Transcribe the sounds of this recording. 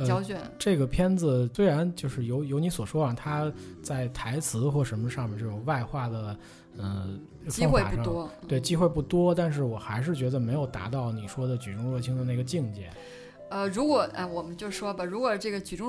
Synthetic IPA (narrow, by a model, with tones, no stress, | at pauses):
ə˧ɑ˥ʊt͡ɕɥɛ˨˩˦ʈ͡ʂɤ˥˩ɡə˩pʰjɛ˥nd͡zɹ̩˧swe˥a˧˥nt͡ɕjo˥˧ʊʂɻ̩˥˩jo˧˥ʊjo˧˥ni˧˥swɔ˨˩ʂwɔ˥a˨˩t̪ʰa˥ | t͡sa˥˩ɪt̪ʰa˧˥ɪt͡sʰɹ̩˧˥xwɔ˥˩ʂə˧˥nmə˧ʂɑ˥˧ŋmɛ˨nt͡ɕjo˥˧˩jo˧˩wa˥˧ɪxwa˥˩d̪ə˩ | ə˥˩ | t͡ɕfŋxḛ˥˧˨pu˥ʂɑ˥˧wɔ˥t̪we˥˩ɪt͡ɕi˥xwe˥˧ɪpu˥˩t̪wɔ˥t̪a˥˧nʂ̬ɻ̩˥˩wɔ˨˩xa˧˥ɪʂ̬ɻ̩˥˩t͡ɕɥɛ˧˥d̪ə˧me˧˥ɪjo˨˩ʊt̪a̰˧˥t̪ɑ˥˩ʊni˨˩ʂwɔ˥d̪ə˨t͡ɕy˨˩ʈ͡ʂʊ˥ŋɻɔ˥˩t͡ɕʰi˥ŋd̪ə˧na˥˩ɡə˩˧t͡ɕi˥˧ŋt͡ɕjɛ̰˨˩˦ | ə˧ɻu˧˥kwɔ˨˩˦ʔa̰˥˧wɔ˨˩mə˦nt͡ɕjo˥˧ʊʂwɔ˥bɐ˨ɻu˧˥kwɔ˨˩ʈ͡ʂɤ˥˩ɡə˩t͡ɕy˨˩ʈ͡ʂʊ˥ŋ